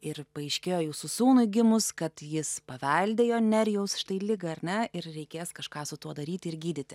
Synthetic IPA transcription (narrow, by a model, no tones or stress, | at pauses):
ɪɾpɐɛɪʃʲkʲeːjoːjuːsʊsuːnʊɡʲɪmʊskɐt̪jɪspɐʋʲɐlʲd̪ʲeːjoːnʲɛɾʲjɛʊsʃʲɪ̥t̪ɐɪlʲɪɡɐɐɾʲnʲɛɪɾɾʲɛɪkʲeːskɐʃkɑːsʊt̪uɔd̪ɐɾʲiːt̪ʲɪɾɡʲiːd̪ʲɪtʲɪ